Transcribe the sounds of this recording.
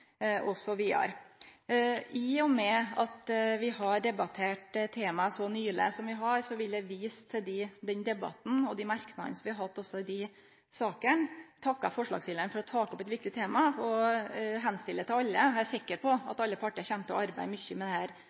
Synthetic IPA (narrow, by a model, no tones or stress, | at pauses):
ʔɔsɔʋiːɑ̰ɾ | ʔɪɔmɛɑt̪ʋɪhɑɾɖ̪ɛbɑt̪ʰeːʈt̪ʰːeːmɑsɔnyːɭə̰sɔmʋɪɦɑɾsɔʋɪld̪jæʋiːst̪ʰɪld̪ɪd̪ɛnd̪ɛbɑ̰t̪n̩ɔd̪ɛmɑɾknɑd̪ənəsɔmʋɪhɑɾhɑt̪ːɔsːɔɪd̪ɪ | sɑːkənt̪ʰɑkːɑ̰fɔʂɭɑ̰ɡsjɪːləɾɳnfɔɾɔt̪ʰɑːkɔpɛt̪ʋɪk̚t̪ɪt̪ʰeːmɑɔɦɛnst̪ɪlːət̪ɪlɑlːəæɾsɪkːəɾpʰɔɑt̪ɑlːəpʰɑʈːəɾɑɾçɛnt̪ɔ̰ɑɾbæ̰ɪmʏçːəmɛd̪ɛhæːɾ